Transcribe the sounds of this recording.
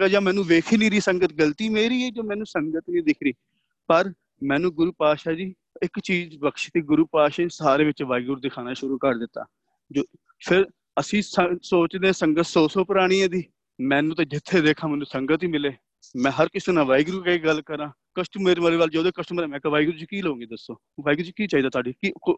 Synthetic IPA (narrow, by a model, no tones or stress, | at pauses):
ad͡ʒãːmɛːnũːʋeːkʰinĩːd̪iːsəŋɡət̪ɡəlt̪iːmeːɾiːɛːd͡ʒoːmɛ̃ːnũːsəŋɡət̪nĩːd̪ɪkʰɾiː | pəɾ | mɛ̃ːnũːɡʊɾuːpaːʃaːd͡ʒiː | ɪkt͡ʃiːd͡ʒbəkʃt̪iːɡʊɾuːpaːʃasaːɾeːʋɪt͡ʃʋaːɪɡɾuːd̪ɪkʰaːnaːʃʊɾuːkəɾd̪ɪt̪ːa̰ː | d͡ʒoː | pʰɪɾ | əsĩːsəsoːt͡ʃd̪ẽːsəŋɡət̪soːsoːpəɾaːɽ̃iːãːd̪iː | mɛ̃ːnũːt̪ãːd͡ʒɪt̪ʰːeːd̪eːkʰãːmɛ̃ːnũːsəŋɡət̪iːmɪleː | mɛ̃ːɦəɾkɪsənãːʋaːjɡɾuːkəiːɡəlːkəɾãː | kəsʈəmeɾməleːʋald͡ʒoːd̪oːkəsʈəmɾeːmɛ̃ːkʋaːiɡɾuːt͡ʃːkiːləõːŋɡeːd̪əsːoː | ʋaːiɡɾuːd͡ʒikiːt͡ʃaːiːd̪aːt̪ʰaːɖiːki